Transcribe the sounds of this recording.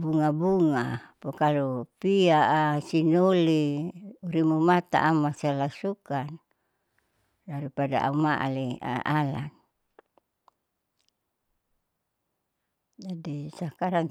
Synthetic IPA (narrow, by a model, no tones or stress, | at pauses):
buŋabuŋapokalupiaʔasinoliuɾimumat̪a̰ʔːmasalasukan | daɾipada̰ʔa̰umaʔa̰lea̰ʔala̰n | d͡ʒadisakaɾaŋ